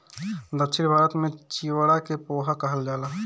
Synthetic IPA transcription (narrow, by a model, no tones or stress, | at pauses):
d̪əkt͡ʃʰɪɾbʱaːɾət̪mẽt͡ʃiːwəɽakepoːɦakəɦəld͡ʒaːlaː